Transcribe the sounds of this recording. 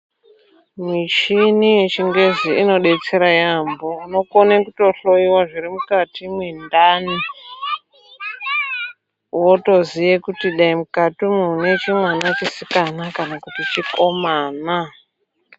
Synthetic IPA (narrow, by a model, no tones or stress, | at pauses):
mit͡ʃinijet͡ʃiŋɡe̞ziino̞ɗe̞t͡seɾajambouno̞konekuto̞ɬo̞iwaʐirimukatimwindani | woto̞zijekutiɗaimukatimunet͡ʃimwanat͡ʃisikanakanakutit͡ʃiko̞maːna